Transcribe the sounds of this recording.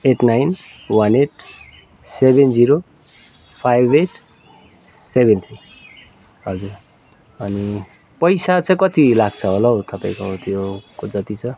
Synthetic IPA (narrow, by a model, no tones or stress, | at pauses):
eʈnajn | wʌneʈ̚ʰ | sebend͡ziɾo | pʰajbeʈʰ | sebent̪ʰɾi | ɦʌd͡zur | ʌni | pʌjsat͡sãĩkʌt̪ilaɡt͡sʰʌɦolʌwt̪ʌpajĩkot̪jokod͡zʌt̪it͡sʰʌ